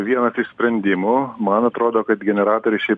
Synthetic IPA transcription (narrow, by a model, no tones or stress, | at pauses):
ʋʲiɛnɐsɪʃsʲpʲɾʲɛnʲd̪ʲɪmʊmɐnɐt̪ɾoːd̪oːkɐt̪ɡʲɛnʲɛɾɑːt̪oːɾʲɪʃʲɛɪp